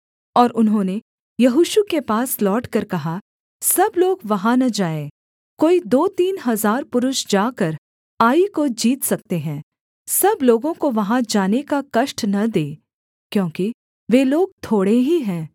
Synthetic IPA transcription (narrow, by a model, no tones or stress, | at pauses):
ɔːɾʔʊnɦõːne | jɐɦʊʃukepaːslɔːʈkɐɾkɐɦa | sɐbloːɡʋɐɦãnɐd͡ʒaːẽː | koːid̪oːt̪iːnɦɐzaːɾpʊɾʊʃd͡ʒaːkɐɾ | aːikod͡ʒiːt̪sɐk̚t̪eɦɛ̃ː | sɐbloːɡõkoʋɐɦãd͡ʒaːnekakɐʃʈnɐd̪eː | kjõːki | ʋeːloːɡ̚t̪ʰoːɽeɦiɦɛ̃ː